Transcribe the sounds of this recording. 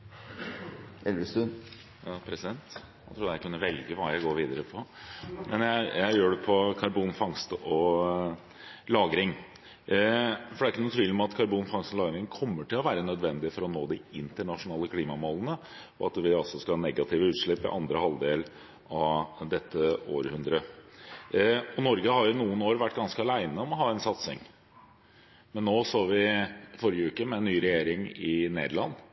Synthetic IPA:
ɛlʋəst̪ʉn | jɑːpʰɾɛsɪd̪ɛnt̪ | æt̪ʰɾuːd̪æɪkʰʉnːəʋɛlɡəʋɑːjæɪɡoːɾʋiːd̪əɾəpʰɔmɛnjæɪjæɪjøːɖɛpʰɔkʰɑɾbuːnfɑŋst̪əʔɔ | lɑːɡɾɪŋ | fɔɖɛæɾɪkːənʊːt̪ʋiːlɔmɑt̪kʰɑɾbuːnfɑŋst̪ɔlɑːɡɾɪŋkʰɔmːəʈʰɪlɔʋæːɾənœd̪ʋɛnd̪ɪəfɔɾɔnoːd̪ɪɪnt̪əɳɑʂʊnɑːləkʰliːmɑmoːlənə | ɔɑt̪ʋɪɑlsɔskɑhɑːnɛɡɑt̪ʰɪːʋəʉːt̪ʂɭɪpːɪ̰ʔɑnd̪ɾəhɑlˠd̪eːl | ɑʋd̪ɛt̪ːəo̰ːɾhʉnd̪ɾə | ɔnɔɾɡəhɑɾjʊɪnuːənoːɾʋæʈːɡɑnskəɑlæɪnəɔmɔɦɑːɛnsɑt̪sɪ̰ŋ | mɛnːoːsoːʋɪfɔɾjəʉːkəmɛɛnːyːɾɛjeːɾɪŋɪnḛːd̪əɭɑnː

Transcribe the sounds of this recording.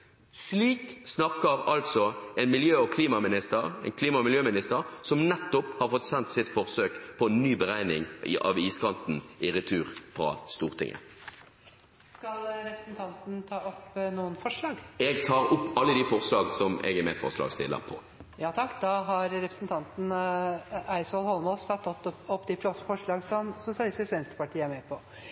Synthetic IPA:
sliːksnɑkəʁɑlt̪sɔɛnmɪljøːɔkʰliːmɑmɪnɪst̪əʁɛ̰nkʰliːmɑmɪljøːmɪnɪst̪əʁsɔmnɛt̪ːɔphɑʁfɔt̪sɛnt̪sɪt̪fɔʁsøːkpʰɔɛnːyːbəʁæɪnɪŋ̰ʔɑ̰ʋiːskɑnt̪n̩ɪʁɪt̪ʰyːʁfʁɑ̰ːst̪uːʁt̪ʰɪ̰ŋʔə̰ | skɑlɾɛpɾəsnt̪ʰɑnt̪n̩t̪ʰɑːɔpnuːənfɔʂɭɑːɡɛɡt̪ʰɑːʁʊpːɑlːəd̪ifɔʁslɑːɡsɔmɛ̰ɡɛmɛfɔ̰ʁslɑ̰ːɡst̪ɪ̰lːə̰pʰɔ | jɑːt̪ʰɑkːd̪ɑɦɑɾɾɛpɾəsnt̪ʰɑnt̪n̩ | æɪsɔlhɔlmɔlst̪ʰɑt̪ːɔt̪ːɔpːd̪ɪfɾɔsəfɔʂɭɑːɡsɔmsʊsɪɑlɪst̪ɪsʋɛnst̪əpɑʈʰiːəæɾmɛpʰɔ

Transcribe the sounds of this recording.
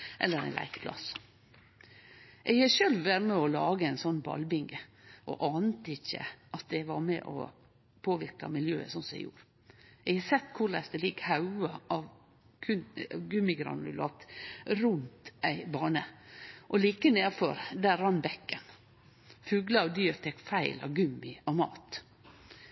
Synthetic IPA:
ʔɛlːəɾæ̰ɪnlæ̰ɪkpʰlɑ̰s | ʔɛɡhɑʃœlʋʋæɾmɛɔlɑːɡəæɪnsɔnːbɑ̰lbɪŋɡəʔɔ̰ʔɑːnət̪əɪçːə̰ʔɑt̪̚d̪ɛʋɑɾmɛ̰ʔɔ̰ | pʰoːʋɪɾkɑ̰mɪljøːə̰sɔnsɔɛ̰ɪɡjṵːɾ | ɛɡhɑsɛt̪ːkʰʊɾlɛ̰sd̪ɛlɪkːhɑʉɑʔɑʋ | kʰʉɡʉmːɪɡɾɑ̰nʉ̰lɑ̰t̪ɾʉnt̪æɪbɑːɳəʔɔliːkəneːɾfɔ̰ɾd̪æɾːɑnbɛkːən | fʉːɡlɑɑʋd̪yːɾt̪ʰɛkfæɪlɑ̰ʋɡʉmːɪɑʋmɑ̰ːt̪

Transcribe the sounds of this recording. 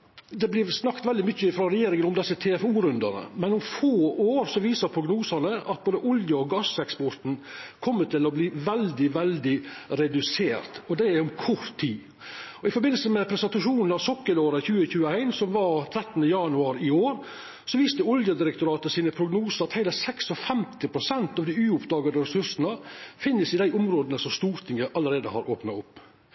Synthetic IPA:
d̪ɛblɪɾsnɑkt̪ʋɛld̪ɪmʏçːəfɾɑɾɛjeːɾɪŋəʊmd̪ɛsːət̪ʰeːɛfuːɾʉnd̪ənə̰mɛnʊmfoːoːɾsɔʋiːsəɾpʰɾʊɡnuːsɑnəʔɑt̪̚boːd̪əʔʊljəɔɡɑsɛkspɔɾt̪n̩kʰɔmːət̪ɪlɔbliːʋɛld̪ɪʋɛld̪ɪɾɛd̪ʉseːɾt̪ɔd̪ɛæɔmkʰɔɾt̪ʰːiː | ɔɪfɔɾbɪnəlsəmɛpʰɾɛsɛnt̪ɑʂuːnn̩ɑʋsɔkːəloːɾəçʉːəçʉːəæɪnsɔmʋɑɾt̪ʰɾɛt̪ːn̩əjɑnʉɑːɾɪoːɾ | sɔʋiːst̪əɔljəd̪ɪɾɛkt̪ʊɾɑːt̪əsiːnəpʰɾʊɡnuːsəɾɑt̪hæɪləsɛksɔfɛmt̪ɪpʰɾʊsɛnt̪ɑʋd̪ɪʉːʊpd̪ɑːɡəd̪əɾɛsʉɾsənəfɪnːəsɪd̪æɪʔʊmɾoːd̪ənəsɔmst̪uːɾt̪ʰɪŋəʔɑlːəɾeːd̪əhɑɾʔoːpnɑʊpː

